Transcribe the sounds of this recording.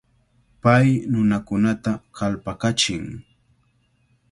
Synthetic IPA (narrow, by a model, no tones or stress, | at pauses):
pajnʊnakʊnat̪akalpakat͡ʃɪŋ